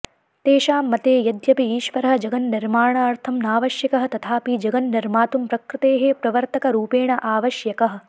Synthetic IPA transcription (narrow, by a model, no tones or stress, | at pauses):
t̪eːʃaːmːɐt̪eːjɐd̪jɐpiiːʃʋɐɾɐɦɐ̆d͡ʒɐɡɐnːiɾmaːɳaːɐɾt̪ʰɐmnaːʋɐʃjɐkɐɦɐt̪ɐt̪ʰaːpid͡ʒɐɡɐnnɐɾmaːt̪umpɾɐkɾɪt̪eːɦeːpɾɐʋɐɾt̪ɐkɐɾuːpeːɳɐʔaːʋɐʃjɐkɐɦɐ̆